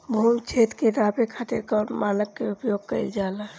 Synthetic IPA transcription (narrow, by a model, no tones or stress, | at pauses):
bʱumt͡ʃʰeːt̪keɾaːpekʰat̪eɾkamaːnəkːeʊpjoːɡ̚kə̰id͡ʒaːla